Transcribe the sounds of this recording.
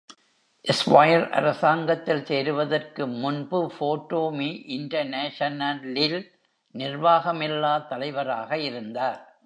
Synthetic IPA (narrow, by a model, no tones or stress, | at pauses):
ʔɛsʋɐjɐɾʔɐ̰ɾɐsaːŋɡɐt̪ːɪlseːɾɯʋɐðɐrkɯmʊnbɯfoːʈːoːmiʔɪɳʈɐɾneːʂɐnɐlɪl | nɪrʋaːɣɐmɛlːaːt̪ːɐlɐɪʋɐɾaːɣɐɪɾɯnd̪aːɾ